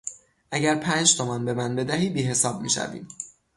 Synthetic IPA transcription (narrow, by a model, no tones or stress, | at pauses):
ʔæɟæɾpʰæːnd͡ʒt̪ʰomɒnbe̞mænbe̞d̪æɦiːbiːɦe̞sɒːb̚mḭːʃæ̰vḭːd̪